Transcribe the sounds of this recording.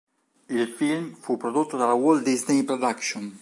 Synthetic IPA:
ilfilmfupːɾod̪ot̪ːod̪alawold̪iznejpɾod̪akʃon

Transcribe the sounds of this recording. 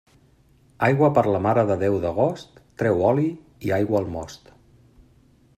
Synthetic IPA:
ajɣwəpəɾləmaɾəðəðɛwðəɣ̞ost̪ːɾɛwɔli | iajɣwəːlˠmɔst̪

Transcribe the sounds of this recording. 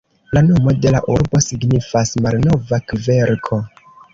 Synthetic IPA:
lano̞mo̞de̞laʔuɾbo̞siɡnifasmalno̞vakve̞ɾkʰo̞

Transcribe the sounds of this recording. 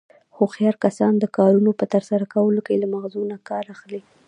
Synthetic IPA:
xoxjɑɾkasɑnd̪əkɑɾunopət̪əɾsaɾakawəlokelamaɣzunakɑɾaxli

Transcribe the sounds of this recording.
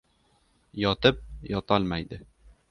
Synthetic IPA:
jɒt̪ɪp̚jɒt̪ʰɒlˠmajd̪ɪ

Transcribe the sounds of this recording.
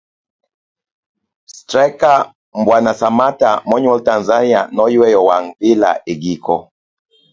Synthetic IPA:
stɾɛka | m̩bwanasamatamɔɲwɛltanzanianɔjiwɛjɔwaŋbila̰ʔeɡikʰɔ̰

